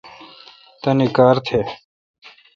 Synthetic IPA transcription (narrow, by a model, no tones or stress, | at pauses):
t̪ɐnikaːɾt̪ʰeː